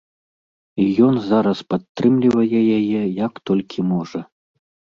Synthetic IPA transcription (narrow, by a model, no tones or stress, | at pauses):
jɔnzaɾɐspat̪ːɾɨmlʲivɐjɛjajɛjakt̪ɔlʲkʲʰimɔʐɐ